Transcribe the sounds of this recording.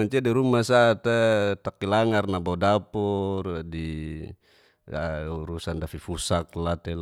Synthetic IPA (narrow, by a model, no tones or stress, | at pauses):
aɲt͡ʃiadiɾumasat̪ɛt̪akilaŋarnabodapɔrdi | uɾusandafifusak̚lat̪ɛl